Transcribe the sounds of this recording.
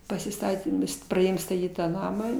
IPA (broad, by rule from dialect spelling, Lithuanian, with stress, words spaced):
pɐsʲɪˈstɑːtʲeːm prɐˈdʲeːjoːm stɐˈtʲiːt tɑː ˈnɑːmɑː